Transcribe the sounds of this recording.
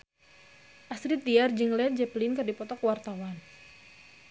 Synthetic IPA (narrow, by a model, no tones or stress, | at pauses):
ʔasɾit̪̚iard͡ʒɨŋlɛt̪̚d͡ʒɛplɪnkɨrdipɔt̪ɔkwart̪awan